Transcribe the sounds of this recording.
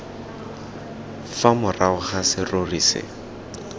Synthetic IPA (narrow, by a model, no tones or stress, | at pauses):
famʊraʊχasɪroriːsɪ̰